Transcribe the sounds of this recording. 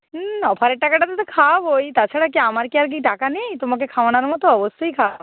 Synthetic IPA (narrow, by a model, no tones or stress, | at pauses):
ɔpʰaɾeʈːakaʈat̪ɔt̪ɔkʰabojt̪at͡ʃʰaɽakiamaɾkiaɾk̬iʈakanijt̪omak̬ekʰaʋɳ̃aɾmɔt̪oɔbɔst̪oikʰa